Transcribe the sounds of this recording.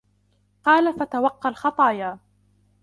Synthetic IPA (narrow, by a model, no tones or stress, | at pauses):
qɑːlafat̪awɑqːɑlxɑt̪ˤɑːjaː